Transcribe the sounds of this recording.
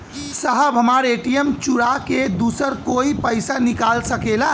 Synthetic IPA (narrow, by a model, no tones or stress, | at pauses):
səɦəbʱɦəmaɾeʈijəmt͡ʃuɾaked̪usəɾkoipəɪsanikalsəkela